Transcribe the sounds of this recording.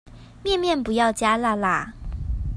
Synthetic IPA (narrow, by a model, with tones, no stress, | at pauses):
mjɛ˥˨nmjɛ˥˩npu˧˥jɑ˥˩ʊt͡ɕja˥la˥˧˩la˨˩